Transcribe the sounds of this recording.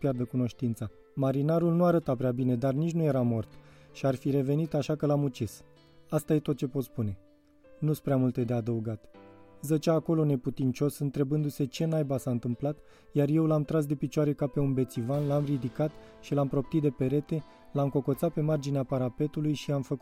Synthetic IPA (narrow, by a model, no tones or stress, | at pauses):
pjard̪əkuno̞ʃt̪int̪sa | maɾinaɾulnuaɾət̪apɾeabine̞d̪arnit͡ʃnuje̞ɾamo̞rt̪ | ʃiarfiɾe̞ve̞nit̪aʃakəlamut͡ʃis | ast̪aje̞t̪o̞t̪̚t͡ʃe̞po̞t̪spune̞ | nuspɾeamult̪e̞d̪ead̪əuɡat̪zət͡ʃaːko̞lo̞ne̞put̪int͡ʃo̞sɨnt̪ɾe̞bɨnd̪use̞t͡ʃe̞najbasaɨnt̪ɨmplat̪ | jarje̞wlamt̪ɾas̬d̪e̞pit͡ʃwaɾe̞kape̞unbe̞t̪sivanlamrid̪ikat̪ | ʃilampɾo̞p̚t̪it̪d̪e̞pe̞ɾe̞t̪e̞ | lamko̞ko̞t̪sat̪̚pe̞mard͡ʒineapaɾape̞t̪ulujʃiamfəku